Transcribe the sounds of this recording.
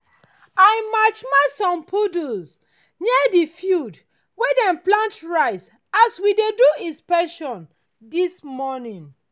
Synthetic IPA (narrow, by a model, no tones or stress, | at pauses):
aɪmat͡ʃmaɪsɔ̃mpʰoduz | ɲɛdifjud | wedɛ̃nplãntɹaɪs | aswideduispɛʃɔ̃n | dismɔnĩŋ